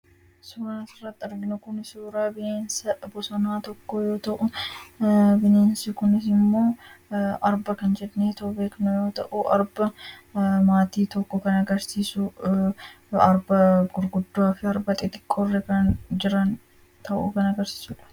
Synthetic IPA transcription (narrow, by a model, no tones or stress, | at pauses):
suːɾaːsɪrːɐt̪ːɪɐɾɡɪnʊkʊnɪsuːɾaːbɪeːnsɐbʊsɔnaːt̪ɔkːojo̞ːt̪ɐʔʊ | bɪneːnsɪkʊnɪs̬ɪmːo̞ː | ɐɾbɐkɐnd͡ʒɛᶑneːt̪ɐʔʊbeːknɐjo̞ːt̪ɐ̰ʔuʔɐɾbɐ | maːt̪iːt̪ɔkːɔkɐnɐɡɐɾsiːsʊ | ɐɾbɐɡʊɾɡʊd̪ːaːfɪɐɾbɐt̪ʼɪt̪ʼɪ̥kʼːorːɛkɐnd͡ʒɪɾɐn | t̪ʰɐʔṵkɐnɐɡɐɾsi̥ːsuːᶑɐ̥